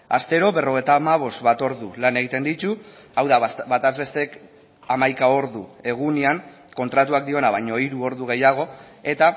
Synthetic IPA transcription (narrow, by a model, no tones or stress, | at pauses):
ast̪e̞ɾo̞βe̞ro̞ɣ̞e̞jt̪amaβ̞o̞st̪βat̪o̞ɾðulane̞ɣ̞it̪e̞nd̪it̪u | awðabat̪azβe̞st̪eek | amajkao̞ɾðue̞ɣ̞uniaŋ | ko̞nt̪ɾat̪uak̚d̪io̞naβajɲo̞iɾuo̞ɾðuɣ̞e̞jaɣ̞o̞ | e̞t̪a